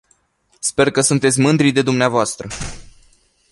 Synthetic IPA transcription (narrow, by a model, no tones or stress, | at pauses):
spe̞rkəsunt̪e̞t̪sʲmɨnd̪ɾid̪e̞d̪umneavoast̪ɾə